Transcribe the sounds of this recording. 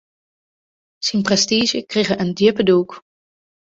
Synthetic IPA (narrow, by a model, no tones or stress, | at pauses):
sinprɛstiːʒəkreχəʔəndɪpəduk